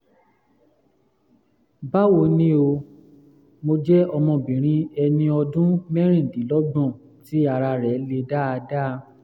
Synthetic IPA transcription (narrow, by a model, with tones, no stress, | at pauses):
ba˦wo˧˦nĩ˦o˧ | mo˧d͡ʒɛ˦ɔ˧mɔ̃˧˨bĩ˨ɾ̃ĩ˧ɛ˧nĩ˧ɔ˧dũ˦mɛ˦ɾ̃ĩ˦˨di˨˦lɔ˦ɡ͡bɔ̃˦˨ | ti˨˦a˧ɾa˧ɾɛ˨˦le˧da˦a˧da˦˧